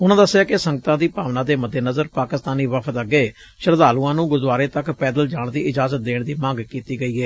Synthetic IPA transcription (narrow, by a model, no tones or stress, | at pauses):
ʊnãːd̪əsːjaːkɪsəŋɡət̪ãːd̪iːpaːʋnãːd̪eːməd̪ːeːnəzəɾpaːkɪst̪aːniːʋəpʰət̪əɡːeː | ʃəɾd̪aːluːãːnũːɡʊd̪waːɾeːt̪əkpɛːd̪əld͡ʒaːɳd̪iːɪd͡ʒaːzət̪̚d̪eːɳd̪iːmə̃ŋɡkiːt̪iːɡəiːɦɛː